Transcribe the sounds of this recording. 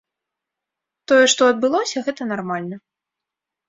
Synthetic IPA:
t̪ɔjɛʂt̪ɔɐd̪̚bɨlˠɔsʲɐɣɛt̪ɐnarmalʲnɐ

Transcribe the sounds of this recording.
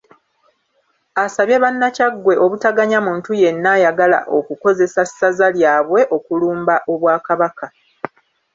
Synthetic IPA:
asaβje̞βanːacaɡwe̞ʔo̞βutaɡaɲamuːntuje̞nːajaɡala̰ʔo̞kuko̞ze̞sasːazaljaːβwe̞ʔo̞kuluːmbaʔo̞βwaːkaβaka

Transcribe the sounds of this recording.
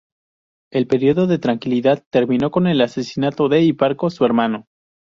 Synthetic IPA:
e̞lpe̞ɾjo̞ðo̞ðe̞t̪ɾaŋkiliðaðt̪e̞ɾmĩno̞ko̞ne̞lase̞sinat̪o̞ðe̞ipaɾkosue̞ɾmano̞

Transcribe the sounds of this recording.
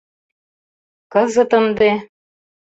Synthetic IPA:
kɤ̆zɤ̆t̪ɤ̆nd̪e

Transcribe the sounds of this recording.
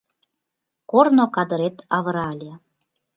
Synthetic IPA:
kornokɑd̪ə̆ɾet̪ʰɑβə̆ɾɑlʲe

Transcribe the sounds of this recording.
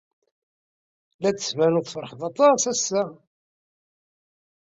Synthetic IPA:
læt͡sːə̥svænʊðfəɾˤħðˤɑt̪ˤɑsæsːæ

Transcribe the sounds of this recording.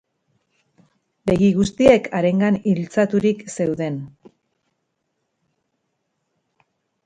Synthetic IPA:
be̞ɣiɣ̞ust̪ie̞kʰaɾe̞ŋɡanilt͡sat̪uɾikse̞wðe̞n

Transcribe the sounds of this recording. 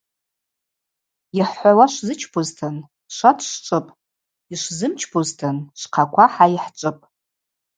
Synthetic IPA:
jɪħħʷawaʂʷzɨt͡ʃʰpʰuztʰɨn | ʂʷatʰʂʈ͡ʂʷʼɨpʼ | iʂʷzɨmt͡ʃʰpʰuztʰɨnʂʷqʰakʷʰaħaiħʈ͡ʂʷʼɨpʼ

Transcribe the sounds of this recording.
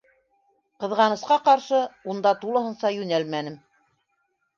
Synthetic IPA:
qɤ̆ðʁɑnɤ̆sqɑqɑɾʃɤund̪ɑt̪ulˠɤ̆hɤ̆nsɑjʉnælmænɘm

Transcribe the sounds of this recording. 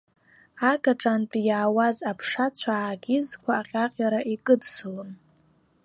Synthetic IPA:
aɡʼaʈ͡ʂʼanpʼjaːwazapʰʂat͡ɕʷʰaaɡʲɪzkʷʰaːqʲʼaqʲʼjaɾaʔikʼɨdsulɨn

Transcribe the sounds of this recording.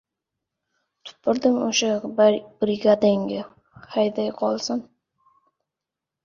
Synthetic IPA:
t̪ʰʊ̥pʰːɪɾd̪ɪmʊʃabɾɪɡad̪aŋɡʲɪ | hajd̪ajqʰɒlˠsɪn

